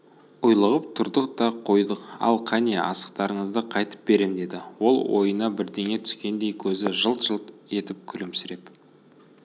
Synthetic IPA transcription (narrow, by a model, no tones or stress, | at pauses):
ʊjlˠəʁəp̚t̪ʰʊɾd̪əqt̪ɑqʰo̞jd̪əqɑ̰lˠqʰɑne̞ʔɑ̰sə̥q̚t̪ɑɾəɴəzd̪əqʰɑjt̪ə̥p̚be̞ɾe̞md̪e̞d̪ɪwo̞lˠwo̞̰jənɑbɪɾd̪e̞ŋe̞t̪ʰʏ̥skʲe̞nd̪e̞jkʲʰɵzɪʒəlˠt̪ʒ̥əlˠt̪e̞t̪ɪp̚kʲʰʏlɪmsɪɾe̞p